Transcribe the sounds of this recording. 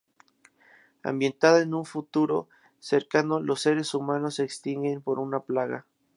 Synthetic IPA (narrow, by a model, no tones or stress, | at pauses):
a̰mbje̞nt̪aðaenuɱfut̪uɾo̞̰ | se̞ɾkano̞lo̞sːe̞ɾe̞sumãno̞sːeːkst̪iŋɡe̞mpo̞ɾunaplaɣa̰